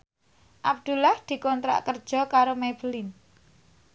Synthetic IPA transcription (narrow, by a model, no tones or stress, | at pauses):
ʔab̚d̪̥ṳlahd̪̥i̤kɔnt̪ɾa̰ʔkərd̥ʒ̥ɔ̤kaɾomeb̥əlin